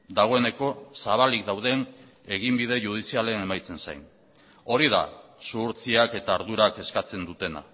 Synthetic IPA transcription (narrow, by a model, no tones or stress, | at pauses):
d̪aɣ̞o̞e̞ne̞ko̞saβ̞alik̚d̪awðe̞n | e̞ɣimbið̞e̞ʝuð̞isialene̞majt͡se̞nsa̰jn | o̞ɾiða̰suɾt͡siake̞t̪aːɾðuɾake̞skat͡se̞nd̪ut̪e̞na̰